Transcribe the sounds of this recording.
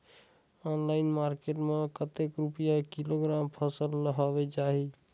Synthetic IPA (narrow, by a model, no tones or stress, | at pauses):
ɔnlaːɪnmaːɾkeʈmẽkət̪ekɾupijakiloɡɾaːmpʰəsəlːəɦɔʋed͡ʒaːɦi